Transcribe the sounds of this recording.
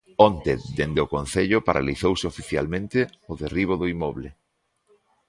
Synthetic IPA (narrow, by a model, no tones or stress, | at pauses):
ont̪ed̪end̪eʊkonθeʎʊpaɾʔa̰liθowsɪofiθja̰lmẽnt̪eʊðeriβ̞oðoimɔβle